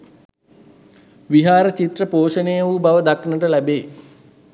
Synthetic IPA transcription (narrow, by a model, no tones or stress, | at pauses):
ʋiɦaːɾət͡ʃit̪rəpoːʃənejəʋubaʋəd̪aknəʈəlæbeː